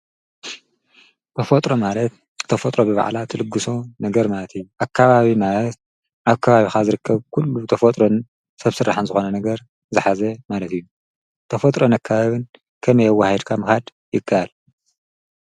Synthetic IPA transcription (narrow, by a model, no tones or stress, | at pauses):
t̪ʰɐfot̪ʼɾo̞malɐt̪ | t̪ʰːɐfot̪ʼɾo̞bɨβa̰ʕlat̪ʰɨlɨɡːɨso̞nɐɡɐɾmalɐt̪ijːuʔakʰːaβaβimalɐt̪̚ | ʔaβkʰɐβaβixazɨɾɨkʰːɐβkʰulːut̪ʰɐfot̪ʼɾo̞n | sɐβsɨrːaħɨnzɨxo̞nɐnɐɡɐɾ | zɨħazɐmalɐt̪ɨjːu | t̪ʰɐfot̪ʼɾonakʰːaβaβɨn | kʰɐmɐjɐwːahid̪kʰamɨxad̪ | jɪkʰːaʔal